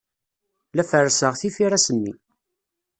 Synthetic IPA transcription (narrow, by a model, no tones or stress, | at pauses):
læfərːsəʁθifiɾæsənːḭ